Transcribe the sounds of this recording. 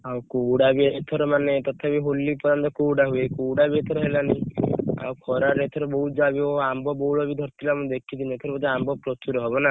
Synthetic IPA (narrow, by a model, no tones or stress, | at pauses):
awkuːɽabiet̪ʰɔɾɔmanet̪ɔt̪ʰabiɦolːipɔɾant̪ɔkuwɽaɦuekuːɽabiet̪ʰɔɾɔɦelania̰wkʰɔɾaɾet̪ʰɔɾɔbɔɦutd͡ʒabioambɔbouɭɔbid̪ʱɔɾt̪ilamũd̪ekʰit̪ʰinet̪ʰɔɾɔpɔt̪eambɔpɾɔt̪uɾɔɦɔbɔna